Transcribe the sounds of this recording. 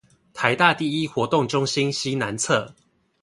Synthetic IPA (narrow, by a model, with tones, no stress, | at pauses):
t̪ʰa˨˦ɪt̪a˥˨t̪i˥˨i˦xwɔ˨˧˥t̪ʊ˥˨ŋʈ͡ʂʊ˦ŋɕi˦nɕi˦na˨˦nt͡sʰɤ˥˨